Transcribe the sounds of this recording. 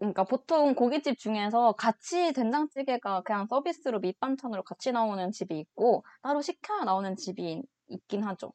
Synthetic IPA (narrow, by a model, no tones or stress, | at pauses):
kɯɲik͈apotʰoŋkoɡit͡ɕ͈ip̚t͡ɕ͈uŋe̞sʰʌkat͡ɕʰite̞nd͡ʑaŋt͡ɕ͈iɡe̞ɡakɯɲaŋs͈ʌbis͈ɯɾomip͈ant͡ɕʰʌnɯɾokat͡ɕʰinaonɯnt͡ɕibiːk̚k͈ot͈aɾouɕʰikʰejanaonɯnt͡ɕibi | ik̚k͈inɦad͡ʑo̰